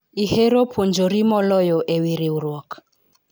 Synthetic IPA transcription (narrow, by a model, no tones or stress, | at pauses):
iheɾopʰund͡ʒoɾimɔlɔjɔʔɛwiɾiuɾwɔk